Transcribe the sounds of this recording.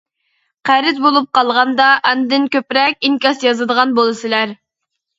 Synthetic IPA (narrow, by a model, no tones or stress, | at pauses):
qʰæɾɪt̪̚bolˠup̚qɑlˠʁɑnd̪ɑʔɛnd̪ɪnkʲøpɾɛkʲiŋkʲɑsjɑzɨd̪əʁɑnbolˠɨsɨlæɾ